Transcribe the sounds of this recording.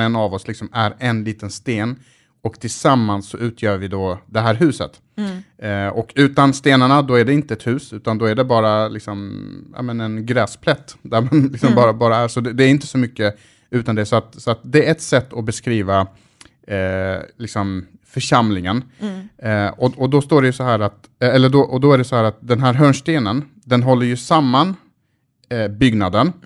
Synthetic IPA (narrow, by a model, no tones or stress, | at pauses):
ɛnavɔslɪksɔmæɾɛnliːt̪ənst̪eːn | ɔkt̪ʰɪlsamːansːɔʔʉ̟ːt̪ʰjœːɾvɪd̪od̪ɛɦæːɾɦʉ̟ːsə̰t̪ | ɔkʰʉ̟ːt̪anst̪eːnaɳad̪oæɖɛɪnt̪əɛt̪hʉ̟ːsʉ̟ːt̪and̪ɔæɖɛbɑːɾalɪksɔmja̰mɛnɛnɡɾɛːspʰlɛt̪ːd̪æɾmanlɪksɔmbɑːɾabɑːɾaæɾsɔd̪ɛd̪ɛæɾɪnt̪ə̥sɔmʏkːə | ʉ̟ːt̪and̪ɛsɔat̪sɔat̪̚d̪ɛæɾɛt̪sɛt̪ːɔbɛskɾiːva | lɪksɔm | fœʂamlɪŋən | ɔɔd̪ɔst̪oːɖɛjɵsɔɦæːɾat̪ | ɛlːəɖɔʔɔd̪ɔæɖɛsɔhæːɾat̪̚d̪ɛnɦæːɾɦœːɳʂt̪eːnən | d̪ɛnɦɔlːəɾjɵsamːan | bʏɡnad̪ən